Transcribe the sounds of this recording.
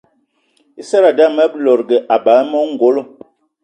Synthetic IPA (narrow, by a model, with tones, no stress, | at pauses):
i˦sɛ˦ɾa˨da˦mɛ˦blɔ˨ɾɡɛ˨ʔa˨ba˨˦mɔ˦ŋ˨ɡo˨˦lo˦˨